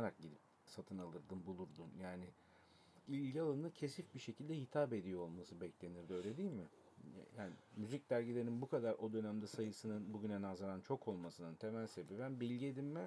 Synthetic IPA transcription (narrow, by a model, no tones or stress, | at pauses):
aɾak̚ɟid̪ip | sat̪ʰɯnalˠɯɾd̪ɯnbulˠuɾd̪unjaːnɪ | ilʲɟialˠanɯcʰe̞sifbiʃe̞cʰilʲd̪ɛhit̪ʰaːbe̞d̪ijoolˠmasɯbɛclʲe̞niɾd̪øjlʲe̞d̪iːlʲmɪ | jaːnɪmyzic̚d̪æɾɟilʲeɾininbukʰad̪aɾʔo̞d̪ø̞næmd̪ɛsajɯsɯnɯnbuɟynɛnazaɾant͡ʃʰo̞kʰo̞lˠmasɯnɯnt̪ʰe̞mælʲse̞bebænbilʲɟied̪immɛ